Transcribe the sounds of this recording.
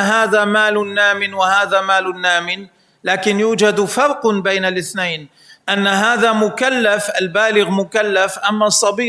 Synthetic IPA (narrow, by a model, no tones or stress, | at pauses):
ɦaːðaːmaːlʊnːaːmɪnwahaːðaːmaːlʊnːaːmɪn | laːkɪnjuːd͡ʒad̪fɑɾˤqbejnalʔɪθnajn | ʔanːaɦaːðamʊkalːafʔalbaːlɪɣmʊkalːafʔamːasˤːɑbiː